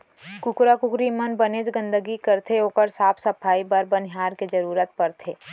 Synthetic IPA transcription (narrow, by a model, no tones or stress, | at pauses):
kʊkɾakʊkɾimənbəneːd͡ʒɡə̃nd̪əɡikəɾt̪ʰeoːkəɾsaːpʰsɐpʰaːibɐɾbənɦaːɾked͡ʒɐɾuːɾət̪pɐɾt̪ʰeː